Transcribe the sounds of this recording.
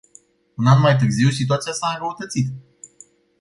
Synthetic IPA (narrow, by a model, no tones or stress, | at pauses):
unanmajt̪ɨrziwsit̪uat̪sijasabəut̪ət̪sit̪